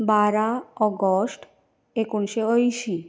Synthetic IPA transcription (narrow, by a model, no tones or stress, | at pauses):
baɾaɔɡosʈ | ekunʃeojʃi